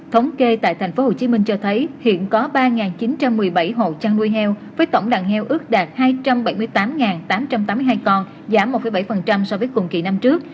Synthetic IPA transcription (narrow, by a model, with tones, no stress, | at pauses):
t̪ʰə˨˦wŋ͡mke˧t̪a̰ː˧˨jt̪ʰɛ˨˩ŋ̟fo˨˦ho˨˩t͡ɕi˨˦mï˧ŋ̟t͡ɕɔ˧t̪ʰə˨˦jhḭ˧˨ənkɔ˨˦ɓaː˧ŋaː˨˩nt͡ɕi˨˦nt͡ɕa˧mːɨ˨˩əjɓa˧˩jɦo̰˧˨t͡ɕaː˧ŋnu˧jɦɛ˧wvəː˨˦jt̪ə̰˧˩wŋ͡mɗaː˧˨˩ŋhɛ˧wʔɨ˦˥ək̚ɗaː˨˩t̚haː˧jt͡ɕa˧mɓa˧˩jmɨ˧əjt̪aː˨˦mŋaː˨˩nt̪aː˨˦mt͡ɕa˧mt̪aː˨˦mɨ˧jɦaː˧jkɔ˧n | zaː˨˦mː˨˩t̚fə˧˩jɓa˧˩jfə˨˩nt͡ɕa˧msɔ˧vəː˨˦jkʊ̰˨˩ŋ͡mkḭ˧˨˩na˧mt͡ɕɨ˦˥ək̚